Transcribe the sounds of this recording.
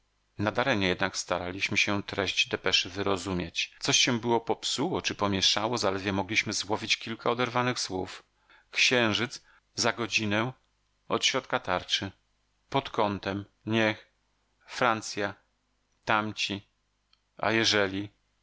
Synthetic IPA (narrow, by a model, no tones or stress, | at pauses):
nad̪aɾɛɲɛjɛd̪nakst̪aɾalʲiɕmɘɕɛt̪ɾɛʑd͡ʑd̪ɛpɛʂɘvɘɾɔzumʲjat͡ɕt̪sɔɕɕɛbɘwɔpɔpsuwɔt͡ʂɘpɔmʲjɛʂawɔzalɛd̪vʲjɛmɔɡlʲiɕmɘzwɔvʲit͡ɕkʲilkaɔd̪ɛɾvanɘxswuf | kɕɛ̃w̃ʐɘd̪z | zaɡɔd͡ʑinɛ | ɔt̪ɕɾɔt̪̚kat̪aɾt͡ʂɘ | pɔt̪kɔnt̪ɛm | ɲɛx | fɾant̪sʲja | t̪amt͡ɕi | a̰jɛʐɛlʲi